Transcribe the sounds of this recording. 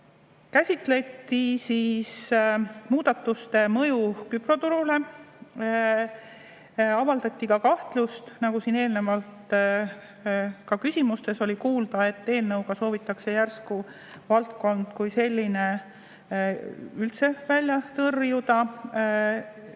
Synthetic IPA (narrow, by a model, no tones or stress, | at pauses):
kæsʲit̪ˑle̞t̪ːisiːs | muːd̪̥ɑt̪ːust̪e̞mɤ̞jukypro̞t̪uɾule̞ | ɑvɑld̪ɑt̪ʲˑːikɑkɑht̪lust̪nɑɡusine̞ːlne̞vɑlt̪ | kɑkysʲimust̪e̞so̞lʲikuːld̪ɑe̞t̪ːe̞ːlnɤwɡɑso̞ːvit̪ːˑɑkse̞jærsku | vɑlt̪ko̞nd̪̥kujse̞lʲːine̞ | ylt̪se̞vælʲjɑt̪ɤrjud̪ɑ